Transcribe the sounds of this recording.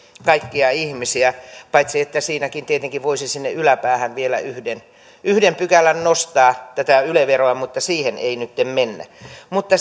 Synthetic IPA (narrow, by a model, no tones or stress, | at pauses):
kɑikːiɑihmisiæpɑit̪siet̪ːæsiːnækint̪iet̪eŋkiʋʋoisisinːeʔylæpæːhænʋielæ̰yhden | yhdempykælːˑænnost̪ɑːt̪æt̪æyleʋeroɑmut̪ːɑsiːhenḛinyt̪ːemmenːæ̰mut̪ːɑ